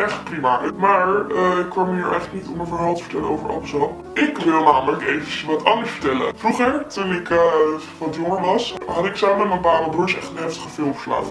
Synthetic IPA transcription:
ʔɛχt̚primamaːɹəɪkːʋɑmɦiːɹʔɛjχləknitɔmənənɦalˠtəvə̥tɛləno̰wvəɹɑ̰lbəsɑn | ɪkʋɪlˠnaːmələkejvəʋɑtʰɑndəɹsfə̥ɹtɛlə̰fruχəɹtunɪkə | ʋɑtjoŋəɹʋɑsɦɑtɪksaːməmɛtmənbaːbəbʊɹsɛ̰χtənɦɛftə̥χəfɪlˠmə̥sla̰ːtə

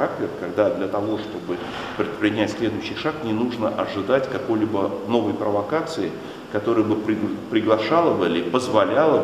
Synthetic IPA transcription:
ak̚tʲɪrkɐɡd̪ad̪lʲɐt̪ɐvo̞ʂt̪o̞bɨ | pɾʲɪt̪̚pɾʲɪnʲætʲsʲlʲe̞d̪ʊjɕːɪjʂaknʲɪnuʐnəʔɐʐɨd̪atʲkɐko̞jlʲibəno̞vəjpɾəvɐkat̪sɨɪ | kɐt̪o̞ɾɨjəbɨppɾʲɪɡlˠɐʂalˠəbɨlʲɪpəzvɐlʲalˠə

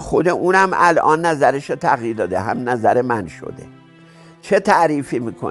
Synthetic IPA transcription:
xo̞d̪eʔuːnæmælʔɒ̰ːnːæzæɾeʃot̪ʰæɣjiːɾd̪ɒːd̪eɦæ̰mnæzæɾemænʃo̰d̪ḛ | t͡ʃʰet̪ʰæʔɾiːfiːmiːkʰo̰

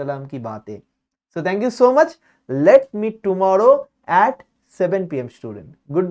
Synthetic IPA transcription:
ɐlaːmkiba̰ːt̪ɦḛː | soːt̪ʰɛ̃ːŋkjusoːmɐt͡ʃ | leʈ̚miːʈʊmɔːɾoː | ɛːʈ | sɛʋə̃npiːemsʈṵːɖə̰̃ɳʈɡʊɖ̚

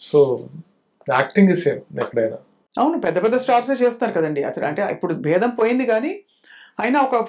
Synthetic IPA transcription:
soː | aːk̚ʈiŋɡiseːmɛkːɐɽɐjnaː | ɐwnupɛd̪ːɐpɛd̪ːɐsʈaːɾʈset͡ʃeːst̪aːɾukɐd̪ɐɳɖiɐ̰t̪ɐɽɐ̰ɳʈeːḭpːuɽubʱɛːd̪ɐmpo̞ːjind̪iɡaːni | aːjɐnɐɔkɐ

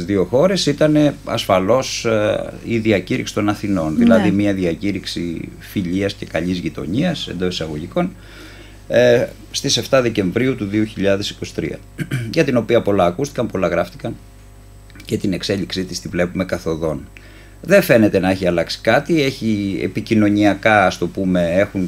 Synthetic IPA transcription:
zðio̞xo̞ɾe̞sit̪ɐne̞ɐ̰sfɐlo̞s | iðiɐciɾḭksi̥t̪o̞nɐθino̞nðilɐðimiɐðiɐciɾiksḭ | fiʎiɐsce̞kɐʎizʝit̪o̞̰ɲiɐse̞̰nd̪o̞sisɐɣo̞ʝiko̞n | st̪ise̞ft̪ɐðe̞ce̞ɱvɾiut̪uðio̞çiʎɐðe̞si̥ko̞si̥t̪ɾḭɐ̰ | ʝɐt̪ino̞piɐpo̞lɐːkust̪i̥kɐmpo̞lɐɣɾɐft̪ikɐn | ce̞t̪ine̞kse̞ʎiksit̪i̥st̪ivle̞pume̞kɐθo̞ðo̞n | ðe̞ɱfe̞ne̞t̪e̞nɐe̞çiɐlɐksi̥kɐt̪ie̞çiḛpicino̞ɲiɐkɐɐst̪o̞pume̞e̞xun

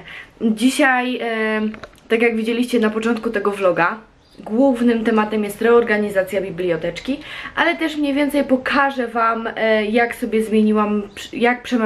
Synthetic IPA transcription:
d͡ʑiɕaj | t̪ak̬ʲjaɡvʲid͡ʑelʲiɕt͡ɕɛnapɔt͡ʂɔnt̪̚kut̪ɛɡɔvlɔɡa | ɡwuvnɘmt̪ɛmat̪ɛmjɛst̪ɾɛɔɾɡaɲizat̪sʲjabʲiblʲijɔt̪ɛt͡ʂkʲiʔalɛt̪ɛʂmɲejvʲɛnt̪sɛjpɔkʰaʐɛvamjaksɔbʲjɛzmʲjeɲiwamjak̚pʂɛm

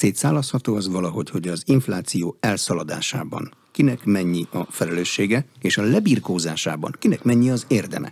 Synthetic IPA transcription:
seːt̪saːlːɒshɒt̪oːɒzʋɒlɒɦo̞cho̞ɟɒziɱflaːt̪sijoːɛlsɒlɒd̪a̰ːʃa̰ːbɒ̰ŋ | kinɛkmɛɲːiɒfɛlɛløːʃːeːɡɛeːʃɒlɛbiːrkoːzaːʃa̰ːbɒ̰ŋkinɛkmɛɲːiɒzeːrd̪ɛ̰mʔɛ̰

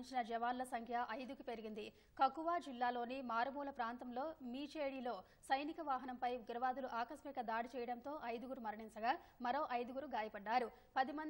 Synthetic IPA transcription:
ɲt͡ʃinɐd͡ʒɐʋaːnlɐsɐŋkʰjɐʔɐjd̪ukupe̞ɾiɡind̪i | kɐkːuʋaːd͡ʒilːaːlo̞ːnimaːɾɐmuːlɐpɾaːnt̪ɐmlo̞ːmiːt͡ʃeːɽilo̞ː | sɐjnikɐʋaːɦɐnɐmpɐjʋiɡɾɐʋaːd̪uluʔaːkɐsmɛkɐd̪aːɽit͡ʃɛːjɐɽɐnt̪o̞ːʔɐjd̪uɡuɾumɐɾɐɳint͡ʃɐɡaːmɐɾo̞ːʔɐjd̪uɡuɾuɡaːjɐpɐɖːaːɾu | pɐd̪imɐn

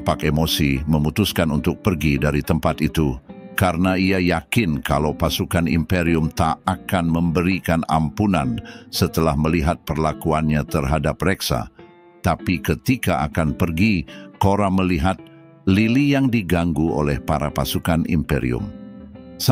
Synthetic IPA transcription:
pakemosiməmut̪uskanunt̪ʊk̚pərɡidaɾit̪əmpat̪it̪ukaɾənaiajakɪnkalawpasukanḭmpeɾiʊmt̪aːkanməmbəɾikana̰mpunansət̪əlahməliɦat̪̚pərlakuanɲat̪ərɦadap̚rɛksa̰ | t̪apikət̪ikaa̰kanpərɡikoɾaməliɦat̪̚ | lilijaŋdiɡaŋɡuo̰lɛhpaɾapasukanḭmpeɾḭʊ̰m | s

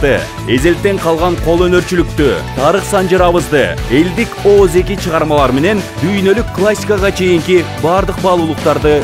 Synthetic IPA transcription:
t̪ə | e̞ze̞lt̪ːe̞ɴqʰɑlˠʁɑɴqʰo̞lˠɵneɾt͡ʃɪlɪk̚t̪ɪt̪ʰɑɾəqsɑnd͡ʒəɾɑβəzd̪əe̞ld̪ɪkʲoze̞kʲɪʃəʁɑɾmɑlˠɑɾme̞ne̞nd̪ʏjnelʏkʰːlˠasʲːijkɑʁɑt͡ʃʰe̞jɪŋkʲɪbɑɾd̪əq̚bɑlˠulˠəqt̪ɑɾd̪ə

